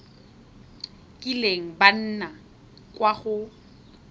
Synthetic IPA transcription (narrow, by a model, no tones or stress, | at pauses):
kʼileŋ̩ban̩na | kʼwaχʊ